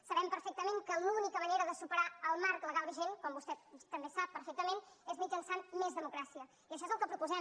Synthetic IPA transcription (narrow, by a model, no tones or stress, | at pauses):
səβɛmpəɾfek̚t̪əmeŋkəlunikəməneɾəðəsupəɾaəlˠmaɾkləɣalˠbiʒenkɔmbust̪ɛt̪əmbesapːəɾfek̚t̪əmenezmid͡ʒənsanmezðəmukɾasiə | iəʃɔezəlˠkəpɾupuzɛ